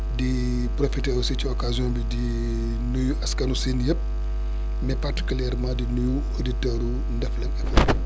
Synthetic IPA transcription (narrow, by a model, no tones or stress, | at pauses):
di | profitɛːɾusiciɔkazijɔ̃ːbidi | nujuʔɐskɐnusinjɐp̚ | nɛpɐrti̥kuljɛɾmãːdinuju | oditɛɾu | ndɛflɛnɐfɐ